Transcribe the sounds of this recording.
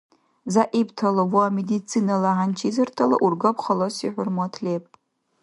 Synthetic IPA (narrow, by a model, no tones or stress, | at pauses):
zaʔibtʰalawuamedit͡sʰinalaʕant͡ʃʰizɨrtʰala̰ʔurɡapχalosiħʷʊrmatʰlepʼ